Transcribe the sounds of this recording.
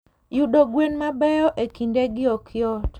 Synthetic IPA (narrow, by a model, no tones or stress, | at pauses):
juɗoɡwenmabɛɔʔekindeɡɪɔkʰjɔt